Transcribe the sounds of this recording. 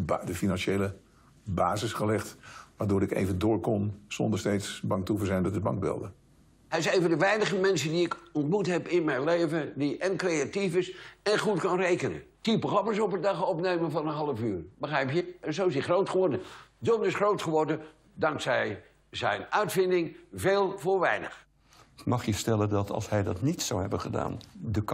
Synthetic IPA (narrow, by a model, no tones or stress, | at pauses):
dəfinɑnʃejlə | baːzɪsχəlɛχtʋaːɹdʊːɾɪkḛjvəndʊːɹkɔnz̥ɔ̰ndəɹstejtsbɑŋtuvəzɛjndɔtəbɑ̰ŋɡ̚bɪ̰lˠdə | ɦɛɪsejvəndəʋɛjnəχəmɛnsədiɪkɔntmutɦɛpɪnmɛjnlejvəndiʔɛnkrejatifɪsɛnχutkɑnrejkənə̰tipəχɑpəsɔpədɑχɔpnejməvɑnənɦɑlˠəfyːrbəχrɛjpjəzoɪs̬diχrowtχəʋɔɹdədɔnɪsχrowtχəʋɔɹdə | dɑŋksɛj | zɛ̰jnœɥtfɪndɪŋveːlˠvʊːɹʋɛjnə̰χ | mɑχjəstɛləndɑtɑ̰lˠshɛjdɑtnitsawɦɛbəχəda̰ːndək